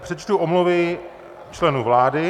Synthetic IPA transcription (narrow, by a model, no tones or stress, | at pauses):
pr̥ɛt͡ʃt̪uʔomluvɪ | t͡ʃlɛnuvlaːdɪ